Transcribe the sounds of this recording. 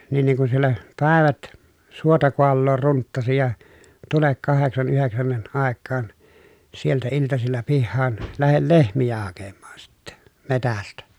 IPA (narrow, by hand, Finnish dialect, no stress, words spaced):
nin niŋ kun sielːæ pæˑeʋæt suotɑ koɑlːoːr runtːɑsi jɑ tulek kɑheksɑn yheksænːiʔ ʔɑˑekːɑːn sieltæ iltɑsilːɑ pihːɑːn læhel lehmijæ hɑkemːɑːn sitːɛ metæstæ